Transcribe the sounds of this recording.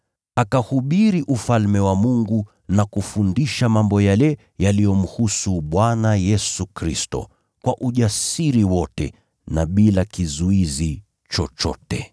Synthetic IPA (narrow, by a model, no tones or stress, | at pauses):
akahuɓiɾiʔufalmɛwamuŋɡu | nakufundiʃamambɔjalɛ | jalijɔm̩husuɓwanajɛsukɾistɔ̰ | kwaʔuʄasiɾiwɔtɛ | naɓilakizuizi | t͡ʃɔt͡ʃɔ̰tɛ̰